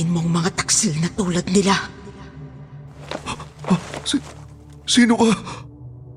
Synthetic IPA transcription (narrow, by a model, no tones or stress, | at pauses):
ɪnmɔŋmɐŋat̪ḁk̚sinat̪uːlɐd̪̚nɪla | s | sinuʔa